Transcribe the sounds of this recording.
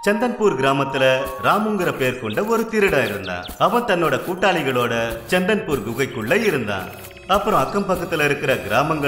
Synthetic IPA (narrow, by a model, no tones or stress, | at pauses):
t͡ʃɛnd̪ɐnpuːɾɡɪɾaːmɐt̪ːɪlɐɾaːmɯŋɡɯɾɐpeːɾkɔɳɖɐɔɾɯt̪ɪɾɯɽaːɪɾɯnd̪a̰ːnɐʋɐnt̪ɐnːoːɽɐkuːʈːaːɭɪɣɐɭoːɽɐt͡ʃɛnd̪ɐnpuːɾɡʊɣɐɪkːɯɭːɐɪɾɯnd̪a̰ːn | ɐpːɯɾɐ̃ɐkːɐmpɐkːɐt̪ːɪlɐɪɾɯkːɪɾɐɡɪɾaːmɐŋɡɐ